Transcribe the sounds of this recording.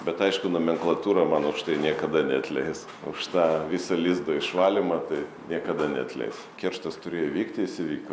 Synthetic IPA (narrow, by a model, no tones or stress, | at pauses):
bʲɛt̪ɐɪʃkʊnʊmʲɛŋklˠɐt̪uːɾɐmɐnʊʃt̪ɐɪnʲiɛkɐd̪ɐnʲɛɐt̪ʲlʲɛɪs | ʊʃt̪ɑːʋʲisɐlʲiːzd̪ɐɪʃʋɑːlʲɪmɐt̪ɐɪ | nʲiɛkɐd̪ɐnʲɛɐt̪ʲlʲɛ̰ɪs | kʲɛrʃt̪ɐst̪ʊɾʲeːjoʋʲiːkt̪ʲɪɪsʲɪʋʲiːk